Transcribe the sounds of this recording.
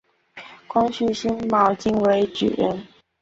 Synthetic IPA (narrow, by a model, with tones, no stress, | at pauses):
kʊ˥ŋɕy˥˩ɕi˥nmɑ˧˥ʊt͡ɕi˥ŋwe˧˥ɪt͡ɕy̰˨˩ɻə̰˥˩n